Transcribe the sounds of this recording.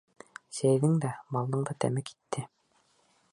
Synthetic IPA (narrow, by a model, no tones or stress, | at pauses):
sæjðɘŋd̪æbɑlˠd̪ɤɴd̪ɑt̪æ̰mɘki̥t̪ʰːɘ